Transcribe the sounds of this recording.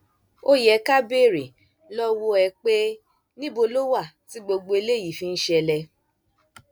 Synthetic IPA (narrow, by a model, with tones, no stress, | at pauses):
o˦jɛ˨˦ka˦be˦˨ɾi˨ | lɔ˦wo˧ɛ˧k͡pe˦ | nĩ˦bo˧lo˦wa˦˨ti˨˦ɡ͡bo˧ɡ͡bo˧e˧le˦˨ji˨fĩ˧n̩˦ʃɛ˧lɛ˧